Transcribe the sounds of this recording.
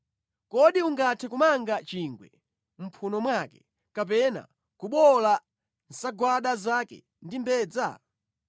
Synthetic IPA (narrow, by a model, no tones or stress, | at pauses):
kɔɗiuŋɡatʰɛkumaŋɡat͡ʃiŋɡwɛ̰ | m̩pʰunɔmwakɛ | kap̬ɛna̰ | kuɓɔla | n̩saɡwaɗazakɛ̰ | ndimbɛːd͡za